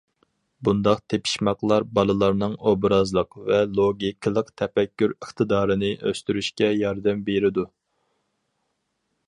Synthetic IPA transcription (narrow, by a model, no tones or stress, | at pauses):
bund̪ɑqt̪ʰepʰi̥ʃmɑqlˠɑɾbɑlˠɨlˠɑɾnɨŋobɾɑzlˠəqvɛlˠoɡʲikʲʰlˠəqt̪ʰɛpɛkʲːyɾəχt̪ʰɨd̪ɑːɾɨnɨʔøst̪yɾyʃkʲɛjɑɾd̪ɛmbeɾɪd̪u